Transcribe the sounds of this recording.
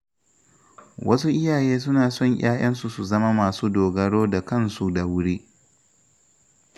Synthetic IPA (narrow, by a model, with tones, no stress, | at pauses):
wɐ˦su˦ʔɪ˦jaː˨jeː˦s̬ʊ˦naː˨sɔ˦˨ɲʔʲaː˦j̰ɐ˦ns̬u˨su˨zɐ˦ma˦maː˨suː˦doː˨ɡɐ˦ɽoː˦da˨kɐ˦˨nsu˦da˨wʊ˦ɽiː˦